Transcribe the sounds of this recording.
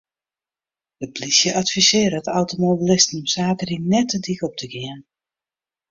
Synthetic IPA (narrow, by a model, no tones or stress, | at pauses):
dəplisjəʔatfisɪːəɾəətawtomobilɪstənɔmsaːkərinɛtədikɔp̚tʰəɡɪən